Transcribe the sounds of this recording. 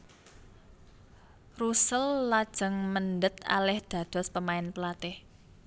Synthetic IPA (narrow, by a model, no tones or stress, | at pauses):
rusəlːad̥ʒ̥ə̤ŋmənd̪ət̪̚a̰lɛhd̪̥ä̤d̪̥ɔ̤spəmaɪnpəlat̪ɪh